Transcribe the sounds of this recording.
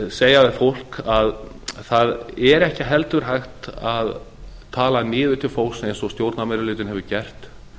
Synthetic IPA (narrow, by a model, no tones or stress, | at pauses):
seːjaðɪfowl̥kað | θaðɛɾɛhcɪɦɛlt̪ʏɾ̥ɦajxt̪aðt̪ʰaːlanɪːðʏt̪ʰɪlfowsɛɛnsɔst̪jowɾt̪namɛɾʏlɪːt̪ɪnɦɛvʏcɛr̥t̪